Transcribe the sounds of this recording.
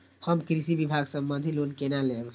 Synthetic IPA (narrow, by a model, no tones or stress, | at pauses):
həmkɾisibibʱaːɡsəmbə̃nd̪ʱilonkenalẽb